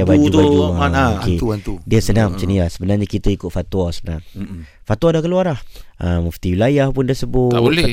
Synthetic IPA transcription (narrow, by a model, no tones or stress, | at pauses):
abaubud͡ʒuaaakeuant̪udiəsənaŋt͡ʃənilahsəbənarɲakit̪əikʊt̪̚fat̪wasənaŋ | fat̪uadakəluaɾahəməft̪iwilajahpʊnt̪ərsəbʊtolɛ